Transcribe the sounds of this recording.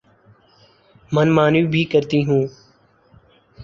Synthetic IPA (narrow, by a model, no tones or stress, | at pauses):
mənmaːnuːbʱiːkəɾt̪iːɦũː